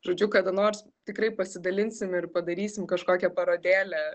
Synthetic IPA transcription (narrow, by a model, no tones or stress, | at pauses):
ʒoːd͡ʒʲʊkɑːd̪ɐnoːrs | t̪ʲɪkrɐɪpɐsʲɪd̪ɐlʲɪnʲsʲɪmɪrpɐd̪ɐɾʲiːsʲɪmkɐʃkoːkʲɛpɐɾoːd̪ʲeːlʲɛ